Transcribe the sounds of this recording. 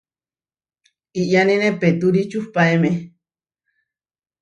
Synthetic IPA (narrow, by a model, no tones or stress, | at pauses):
iʔjanĩnepet̪uɾit͡ʃuhpaeme